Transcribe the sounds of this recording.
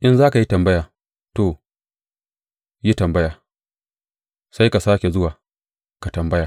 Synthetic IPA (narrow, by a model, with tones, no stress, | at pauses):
ʔɪ˦nzaː˦ka˨ji˦tɐ˨mbɐ˦jaː˨ | toː˨ | ji˦tɐ˨mbɐ˦jaː˨ | sa˦jka˨saː˦kʲe˨zʊ˦waː˨ | ka˨tɐ˨mbɐ˦jaː˨